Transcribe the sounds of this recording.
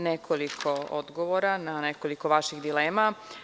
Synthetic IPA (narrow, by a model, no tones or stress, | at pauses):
nekʰolikʰoo̰d̪ɡoʋoɾananeko̞liko̞ʋaʃiɣd̪ileːma